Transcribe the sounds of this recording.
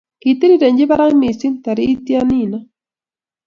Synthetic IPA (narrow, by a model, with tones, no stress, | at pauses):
kit̪i˦ɾiɾɛ˨ɲd͡ʒi˦βa˦ɾa˦ŋmi˨si˦nt̪a˨ɾiː˦tja˦ni˨na